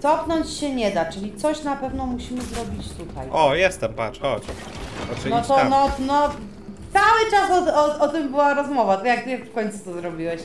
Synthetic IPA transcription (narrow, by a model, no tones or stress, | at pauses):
t̪ɔpnɔɲt͡ɕɕɛɲɛd̪at͡ʂɘlʲit̪sɔɕnapɛvnɔmuɕimɘzɾɔbʲit͡ɕt̪ut̪ajɔjɛst̪ɛmpa̰t͡ʂxɔt͡ɕ | ɔt͡ʂnɔt̪ɔnɔnɔ | t̪sawɘt͡ʂasɔt̪ɔɔt̪ɘmbɘwaɾɔzmɔvat̪akjak̚t̪ɨjakfkɔɲʲt̪sut̪ɔzɾɔbʲiwɛɕ